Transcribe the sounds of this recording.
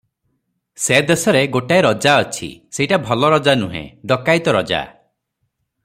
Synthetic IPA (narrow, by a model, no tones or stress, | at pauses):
sed̪esɔɾeɡoʈajɾɔd͡ʒaɔt͡ʃʰḭseiʈabʱɔlɔɾɔd͡ʒanuɦḛ̃d̪ɔkajt̪ɔɾɔd͡ʒa̰